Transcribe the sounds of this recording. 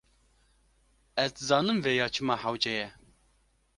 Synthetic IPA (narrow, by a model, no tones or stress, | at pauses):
ɛzd̪zɑːnɨmvɛjɑːt͡ʃʰɨmɑːħawd͡ʒɛjɛ